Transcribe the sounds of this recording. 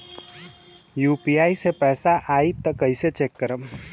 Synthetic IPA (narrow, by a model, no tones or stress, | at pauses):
jupiaisepɛːsaʔait̪ːəkəjset͡ʃekːəɾəm